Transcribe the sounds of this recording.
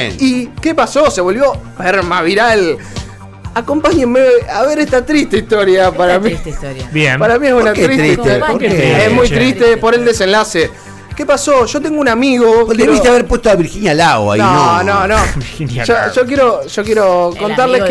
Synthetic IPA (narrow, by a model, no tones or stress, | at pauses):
ikepasose̞βo̞lβjopeɾmaβiɾal | akompaɲemːeaβeɾeht̪at̪ɾiht̪eiht̪oɾjapaɾamijbjenpaɾamĩesunatt̪ɾistet̪oeesmujt̪ɾit̪epoɾeld̪ese̞nlase | kepasoʃot̪̬eŋɡounamiɣod̪eβist̪eaβeɾpwest̪oaβiɾxinjalaɣwa̰noonõnoinʃoʒok̬jeɾoʒ̥ok̬jeɾokont̪aɾle